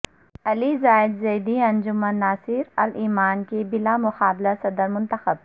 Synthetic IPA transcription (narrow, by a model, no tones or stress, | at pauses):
ɐlizaːɪd̪zɐːd̪iɐ̃nd͡ʒʊmənːaːsɪɾɐliːmaːnkebɪlamʊxaːblasɐd̪əɾmʊ̃nt̪əxəb